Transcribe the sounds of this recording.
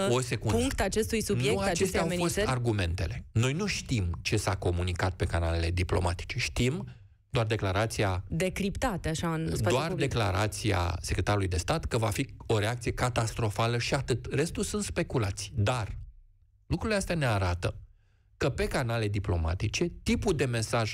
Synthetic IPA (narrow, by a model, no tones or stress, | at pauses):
ose̞kunuŋkt̪at͡ʃe̞st̪ujsunjeukaat͡ʃest̪eafo̞st̪arɡume̞nt̪e̞̰le̞no̞jnuʃt̪imt͡ʃe̞sako̞munikat̪̚pe̞kanale̞le̞d̪iplo̞̰mat̪i̥t͡ʃe̞ʃt̪im | d̪oard̪e̞klaɾat̪sijad̪e̞kɾipt̪at̪eaʃansd̪oard̪e̞klaɾat̪sija̰se̞kɾe̞t̪aɾulujd̪e̞st̪at̪kəvafio̞ɾe̞ak̚t̪sije̞kat̪ast̪ɾo̞faləʃiat̪ɨt̪re̞st̪ulsunt̪spe̞kulat̪sijd̪ar | lukɾuleast̪eane̞aɾat̪ə | kəpe̞kanale̞d̪iplo̞̰ma̰t̪it͡ʃe̞t̪ipud̪e̞me̞saʒ